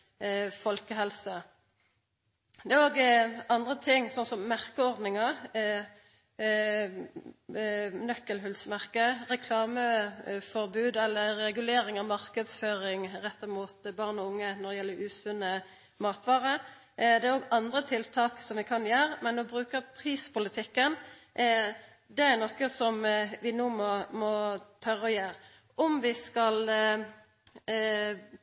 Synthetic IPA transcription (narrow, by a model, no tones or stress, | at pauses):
fɔlkəɦɛlsə | d̪ɛæʁoːɡɑnd̪ʁət̪ʰɪŋːsɔnsɔmːæʁkəɔʁd̪nɪŋəʁ | nœkːəlɦʉlsmæʁkəʁɛkʰlɑːməfɔʁbʉːd̪ɛlːəːɛɡʉleːɾɪŋɑʋmɑʁkəd̪sføːʁɪŋʁɛt̪ːɑmuːt̪bɑʁnɔʊŋːənɔd̪ɛjɛlːəɾʉːsʉnə | mɑːt̪ʋɑːʁə | d̪ɛæɾoːɡɑnd̪ʁət̪ʰɪlt̪ʰɑːksɔmʋɪkʰɑnjæːɾmɛnːɔʋɪbʁʉːkəʁpʰʁiːspʊlɪt̪ʰɪkːən | d̪ɛæɾnɔkːəsɔmʋɪnuːmɔmɔt̪ʰœʁɔjæːʁ | ʔɔmʋɪskɑl